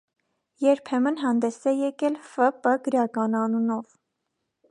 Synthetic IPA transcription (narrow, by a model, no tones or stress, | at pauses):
jɛɾpʰɛmənɦɑnd̪ɛsɛjɛkɛlfəpəɡəɾɑkɑnɑnunɔv